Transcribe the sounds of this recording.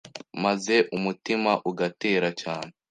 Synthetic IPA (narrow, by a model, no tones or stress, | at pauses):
maze̞ʔumutimaʔuɡateːɾacaːne